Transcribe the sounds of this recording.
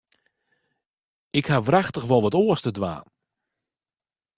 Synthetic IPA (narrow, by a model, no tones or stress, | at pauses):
ɪkhaʋraxtəxʋɔlˠʋɔtoəstədʋa̰ːn